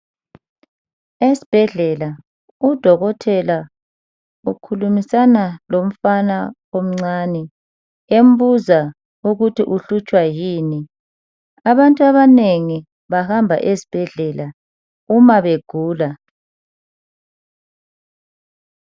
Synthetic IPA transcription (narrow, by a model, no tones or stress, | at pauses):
esi̥b̥ʱɛɮɛla | ud̥ʱɔɣɔtʰɛla | ukʰulumisanalom̩fana | om̩ŋ͡ǀaːnɛ | em̩buza | uɣutʰiʔuɬut͡ʃʼwajiːni | aβantʼuaβaneŋi | βahambʱa̰ʔesi̥b̥ʱɛɮɛla | umaβeɡ̥ʱuːla